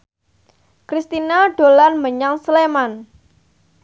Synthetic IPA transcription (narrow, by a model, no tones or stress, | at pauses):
kɾist̪inaɖ̥o̤lanməɲaŋsleman